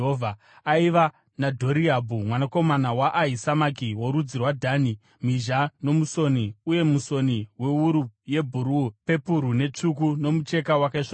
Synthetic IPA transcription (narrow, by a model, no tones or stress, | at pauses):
ɦova | aiʋa | nadʱo̞ɾiabʱumwanako̞manawaʔaisamakiwoɾud͡zirwadʱaːni | miʒano̞muso̞niuje̞muso̞niwe̞uɾuje̞bʱuɾupe̞puɾune̞t͡ʂukuno̞mut͡ʃe̞kawakaiʂa